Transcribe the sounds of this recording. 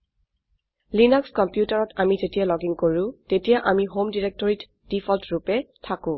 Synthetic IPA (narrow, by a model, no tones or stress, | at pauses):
linɔkskɔmpjutaɹɔtamizetijalɔɡiŋkoɹʊ̃tetijaʔamiɦomdiɹɛk̚tɔɹit | d̥ifʰɔltɹupɛtʰakʊ̃